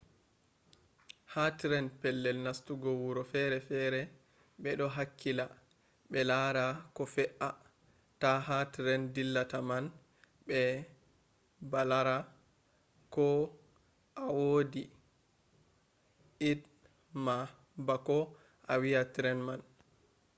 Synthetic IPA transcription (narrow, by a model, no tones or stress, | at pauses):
hatɾɛnpɛlːɛlnastuɡɔwuɾɔfɛɾɛfɛɾɛ | ɓɛɗɔɦakʰːila | ɓɛlaɾakɔfɛʔa | taɦatɾɛndilːataman | ɓɛ | balaɾa | kɔ | ʔawodi | id | ma | bakɔ | ʔawiatɾɛnman